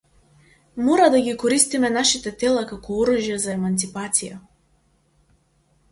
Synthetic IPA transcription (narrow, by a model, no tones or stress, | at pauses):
mɔɾad̪aɡikɔɾist̪imɛnaʃit̪ɛt̪ɛlˠakakɔɔɾuʒjazaɛmant̪sipat̪sija̰